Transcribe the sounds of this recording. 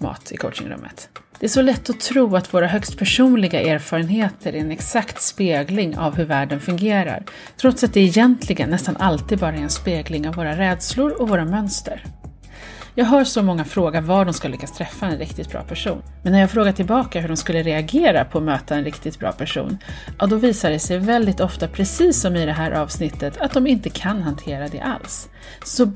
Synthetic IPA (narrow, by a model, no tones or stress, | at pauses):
mɑ̰ːt̪ʰɪ̰kʰɔwt͡ʃɪ̰ŋɾɵ̰mːʔə̰t̪d̪̥ɛæʂɔlɛt̪ːɔt̪ʰɾuːat̪voːɾaɦœkst̪pʰæʂuːnlɪɡaʔeːɾfɑːɾənheːt̪ʰəɾʔæɛnɛksakt̪speːɡlɪŋʔa̰vɦɵɾvæːɖənfɵŋɡeːɾa̰ɾ | t̪ʰɾɔt̪sat̪̚d̪ɛɛjɛnt̪ʰlɪɡənːɛst̪anʔalt̪iːd̪̚bɑːɾaɛɾɛnspeːɡlɪŋavːoːɾaɾɛːd̪slʊɾɔvoːɾamœnst̪əɾ | jɑːɡɦœːʂɔmɔŋːafɾoːɡaɾvaɖɔmskalːʏkːast̪ʰɾɛfːaɛnɾɪkt̪ɪt̪bɾɑ̰ːpʰæʂṵːnmɛnːæɾjɑːɡfɾoːɡat̪ʰɪlbɑːkaɦɵɖɔmskɵlːəɾɛaɡeːɾapʰɔːmøːt̪ʰaɛnɾɪkt̪ɪt̪̚bɾɑ̰ːpʰæʂṵːnʔad̪ɔviːsaɖɛsɛjvɛld̪ɪt̪ɔft̪apʰɾɛsiːsːɔmɪd̪ɛɦæːɾʔɑːvsnɪt̪ʰːət̪ʰat̪̚d̪ɔmɪnt̪əkʰanɦant̪ʰeːɾad̪ɛ̰ʔa̰lsː | ɔ